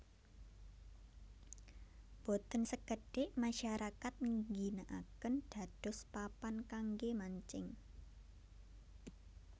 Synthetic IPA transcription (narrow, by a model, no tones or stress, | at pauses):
b̥ot̪ənsəkəɖ̥eʔmaʃaɾakat̪̚ŋɡinaʔa̰kənɖ̥a̤d̥ɔ̤spapankaŋɡemaɲt͡ʃɪŋ